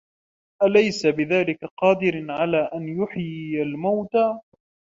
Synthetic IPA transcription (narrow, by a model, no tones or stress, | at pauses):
ʔalajsabɪðaːlɪkaqɑːd̪ɪɾʕalaːʔanjʊħjalmawt̪a